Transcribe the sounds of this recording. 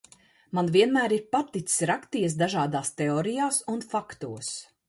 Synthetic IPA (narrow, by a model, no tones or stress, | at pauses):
manviɛnmæːɾiɾpat̪it̪ssɾakt̪iɛs̬d̪aʒaːd̪aːst̪eɔːɾijaːsunfakt̪uəs